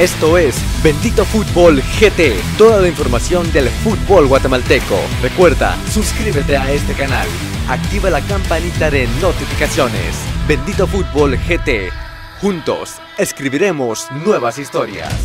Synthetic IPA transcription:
e̞st̪o̞e̞sbe̞nd̪it̪o̞fut̪̚bolxet̪e | t̪o̞ðalaiɱfo̞ɾmasjo̞nd̪e̞lfut̪̚bolɣwat̪emalt̪e̞ko̞̰ | re̞kwe̞ɾða̰suskɾiβet̪e̞ae̞st̪e̞kana̰l | ak̚t̪iβelakampanit̪aðe̞no̞t̪ifikasjo̞nḛsbe̞nd̪it̪o̞fut̪̚bo̞lxet̪e | xunt̪o̞̰s | e̞skɾiβiɾe̞mo̞snwe̞βasist̪o̞ɾja̰s

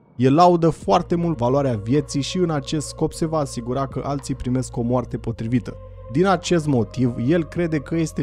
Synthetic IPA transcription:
jelːaud̪əfoart̪e̞mult̪valoaɾeavje̞t̪sijʃiɨnat͡ʃe̞st̪sko̞pse̞vaːsiɡuɾakəʔalt̪sijpɾime̞sko̞moart̪e̞po̞t̪ɾivit̪ə | d̪inat͡ʃe̞st̪mo̞t̪ivje̞lkɾe̞d̪e̞kəje̞st̪e

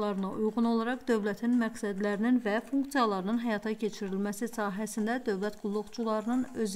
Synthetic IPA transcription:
lˠɑɾɯnɑʔujʁuno̞lˠɑɾɑχd̪ø̞vlæt̪ʰinmæɡsæd̪læɾininvæfuŋkt̪ijɑlˠɑɾɯnɯnɦæjɑt̪ʰɑcʰe̞t͡ʃʰiɾilmæsisɑːɦæsind̪æd̪ø̞vlæt̪ɡ̥ulˠːuɣt͡ʃulˠɑɾɯnɯnøz

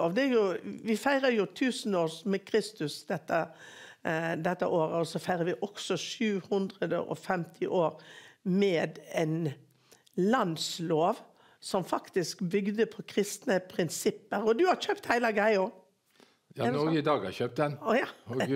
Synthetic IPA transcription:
oːʋd̪ɛæɾjʊʋɪfæɪɾəɾjʊt̪ʰʉːsn̩oːsmɛkʰɾɪst̪ʉsd̪ɛt̪ːə | d̪ɛt̪ːə̰ʔoːɾəɔsɔfæɪʁəɾʋɪʔɔksɔʃʉːhʉnd̪ʁəd̪ə̰ʔɔ̰fɛmt̪ʰɪʔoːɾmeːd̪ɛɪn | lɑnd̪sloːʋ | sɔmfɑkt̪ɪskbʏɡd̪əpʰɔkʰɾɪst̪nəpʰɾɪnsɪpːəɾɔd̪ʉhɑɾçøːpt̪hæɪləɡæɪo | jɔɪd̪ɑːɡɑ̰çøːp̚t̪d̪ɛn

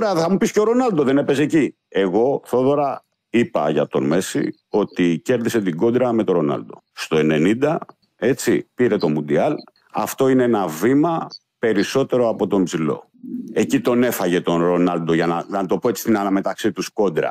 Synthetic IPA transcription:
ɾeɐθɐmupisceoɾo̞nɐld̪o̞ðe̞ne̞pe̞s̬eci | e̞ɣo̞θo̞ðo̞ɾɐ | ipɐʝɐ̰t̪o̞̰nme̞sḭ | o̞t̪ice̞ɾðise̞t̪iɡo̞d̪ɾɐme̞t̪o̞ɾo̞nɐ̰ld̪o̞ | st̪o̞e̞ne̞nind̪ɐ | e̞t͡sipiɾe̞t̪o̞mund̪iɐl | ɐ̰ft̪o̞ineenɐvimɐ | pe̞ɾiso̞t̪e̞ɾo̞ɐpo̞t̪o̞mbzilo̞̰ | e̞cit̪o̞ne̞fɐʝe̞t̪o̞nɾo̞nɐld̪oʝɐnɐɐt̪o̞po̞e̞t͡si̥st̪inɐlɐme̞t̪ɐksit̪usko̞d̪ɾɐ̰

